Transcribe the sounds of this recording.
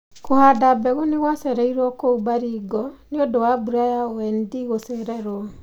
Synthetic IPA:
kohadabɛɣoneɣwasɛɾɛiɾwɔkoubaɾiɡɔneodowabuɾajaɔwɛndiɣoseɾɛɾɔɔ

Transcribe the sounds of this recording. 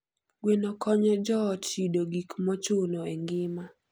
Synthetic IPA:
ɡwenɔkɔɲɔd͡ʒɔːtt͡ʃidoɡikmɔt͡ʃʊnoɛŋɡɪma

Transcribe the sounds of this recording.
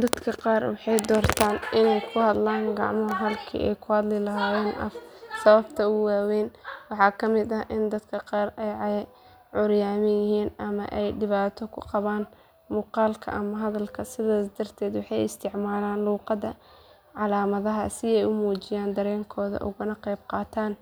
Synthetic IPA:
d̪ɐd̪kʰɐqɑːrwɑħɑjd̪ɔːrt̪ʰaːnʔɪnɛjkʰʊhɐd̪laːŋɡɑʕmɔɦɦɐlkʰḭːʔɛ̰jkʰʊhɐd̪lɪlɐɦaːwɛːnʔɐ̰fsɐβɐbt̪ʰɐʊwaːwɛːnwɑħɑːkʰɐmɪd̪ɐʔɪnd̪ɐd̪kʰɐqɑːrɛjʕɑjɛ | ʕʊɾjaːmɪjɪhiːnɐmɐ̰ʔɛjɖɪβaːt̪ʰɔkʰʊqɑβaːn | muːqɑːlkʰɐ̰ʔɐmɐɦɐðɐlkʰɐsɪðaːsd̪ɐrt̪ʰɛːd̪wɑħɑjɪst̪ʰɪʕmaːlaːnluːqɑðɐ | ʕɑlaːmɐðɐɦɐsɪɛjʊmuːt͡ʃɪjaːnd̪ɐɾɛːŋkʰɔːðɐ̰ʔʊ̰ɣʊnɐqɛjb̚qɑːt̪ʰaːn

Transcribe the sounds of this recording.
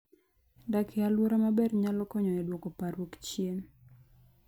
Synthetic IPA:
dakʰɪalwoɾamabɛrɲalɔkɔɲɔɛdwɔkɔpaɾwokt͡ʃjen

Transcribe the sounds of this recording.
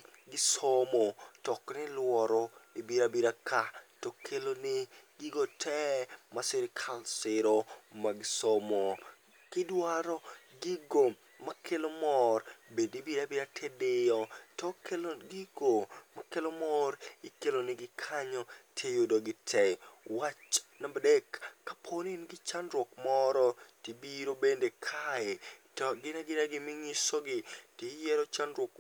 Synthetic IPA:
ɡɪsomotɔknɪlwɔɾɔibiɾabiɾakʰatɔkʰelonɪɡɪɡotʰɛmasɪɾkʰalsɪɾomaɡɪsomo | kɪdwaɾɔ | ɡɪɡo | makʰelomɔrbedibiɾabiɾatʰɛdejɔtɔkelɡɪɡomakelomɔɾikelonɪɡɪkʰaɲɔtʰejodoɡɪtʰɛwat͡ʃnabdekːapʰolinɡɪt͡ʃanɾwɔkmɔɾɔtibiɾobendekʰaɛtɔɡɪnaɡɪnaɡɪmɪŋɪsoɡɪtijɛɾɔt͡ʃanɾwɔk

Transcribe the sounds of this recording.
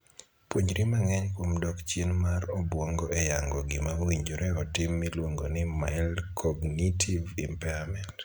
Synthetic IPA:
pwoɲɾimaŋɛɲkwomdɔkt͡ʃjenmarɔbwɔŋɡɔʔɛjaŋɡɔɡɪmaowiɲd͡ʒoɾɛɔtɪmːilwoŋɡonɪmaɪlkʰɔɡnitʰivḭmpɛamɛnt

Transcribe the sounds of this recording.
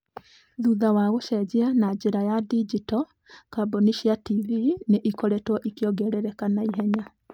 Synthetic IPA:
ðuðawaɣoʃɛd͡ʑeanad͡ʑeɾajadid͡ʒitɔ | kaboniʃiativineʔikɔɾɛtwɔʔikeɔɡɛɾɛɾɛkanaiɦɛɲa

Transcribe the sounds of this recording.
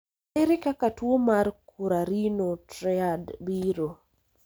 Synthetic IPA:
eɾɪkakatwomarkuɾaɾinotɾɛadbiɾo

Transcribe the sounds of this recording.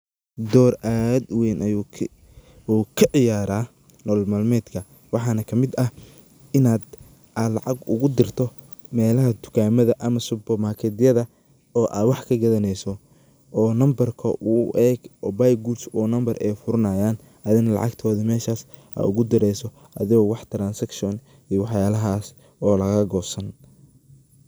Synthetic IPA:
d̪ɔːrʔaːd̪wɛjnʔɐju | uːkʰɐʕɪjaːɾaː | nɔːlmalmɛːd̪kʰɐ | wɑħɑːnɐkʰɐmɪd̪ɐ | ɪnaːd̪ | ʔalɑ̰ʕɑɡʊ̰ɣʊd̪ɪrt̪ʰɔ | mɛːlɐɦɐt̪ʰʊ̥kʰaːmɐðɐʔɐmɐsʊbɐmaːkʰɛd̪ɪjɐðɐ | ɔːʔa̰ːwɑħkʰɐɡɐðɐnɛjsɔ | ɔːnɐmbɐrkʰɐʔʊʔɛːɡɔːbajɡusɔːnɐmbɐrʔɛjfʊɾɐnaːjaːn | ʔɐðɪnɐlɑ̰ʕɑ̰ɡt̪ʰɔːðimɛːʃaːs | a̰ʊɣʊd̪ɪɾɛjsɔ | ʔɐ̰ðɪɣɔːwɑħt̪ʰɾaːnsɐkʃɔn | ijwɑħjaːlɐɦaːs | ɔːlɐɣɐɡɔːsɐn

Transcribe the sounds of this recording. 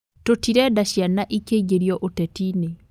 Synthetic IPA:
totiɾɛdaɕjanaʔikeiɡeɾiɔʔotɛtine

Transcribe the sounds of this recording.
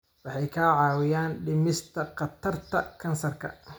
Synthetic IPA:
wɑħɑjkʰaːʕɑːwɪjaːnɖɪmɪst̪ʰɐqɑt̪ʰɐrt̪ʰɐkʰɐnsɐrkʰɐ̰

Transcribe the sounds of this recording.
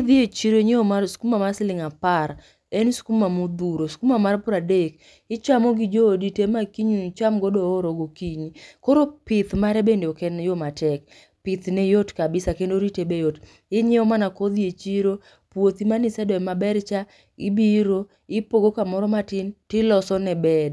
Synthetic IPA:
ðjet͡ʃiɾoɲeomasu̥kumamaslɪŋapaɾ | ensu̥kumamud̪uɾosu̥kumamarpʊɾadek | ɪt͡ʃamoɡid͡ʒoːditemakiɲut͡ʃamɡɔdɔːɾoɡokiɲikoɾopɪt̪maɾɛbendeɔkɛnjomatɛk | pɪt̪nɛjotkabɪsakendoɾitebejot | ɪɲɛɔmanakod̪iet͡ʃiɾo | pwot̪imanɪsɛdɔɛmabɛrt͡ʃa | ɪbiɾo | ɪpoɡokamɔɾɔmatɪntɪlɔsɔnɛbɛd

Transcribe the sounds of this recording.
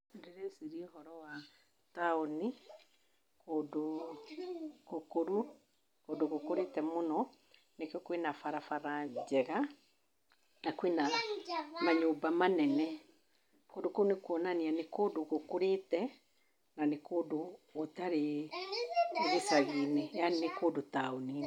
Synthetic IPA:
deɾesiɾiɔhɔɾɔwa | taoni | kodo | kokoɾu | kondoɣokoɾetɛmonɔ | nekɛkwenafaɾafaɾad͡ʒɛɣa | nakwena | maɲoːbamanɛnɛ | kodokoɾunekuɔnanianekodoɣokoɾetɛ | nanekodootaɾe | ɣesaɣinejanekoːdotaoni

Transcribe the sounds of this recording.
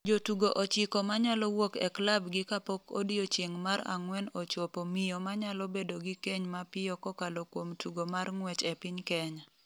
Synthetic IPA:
d͡ʒotuɡoʔɔt͡ʃɪkɔmaɲalɔwokɛ̰klabɡɪkapɔko̰dijot͡ʃeŋmaɾa̰ŋwɛnɔt͡ʃɔpomijomaɲalɔbedoɡɪkeɲmapɪjɔkɔkalokwomtuɡomarŋwɛt͡ʃɛpɪɲkɛɲa

